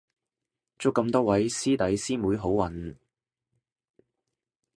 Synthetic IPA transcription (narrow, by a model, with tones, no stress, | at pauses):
t͡sʊ˥kːɐ˧mt̪ɔː˥wɐ˨˥jsiː˥t̪ɐ˨˥jsiː˥muː˨˥jɦo˨˥wwɐ˨n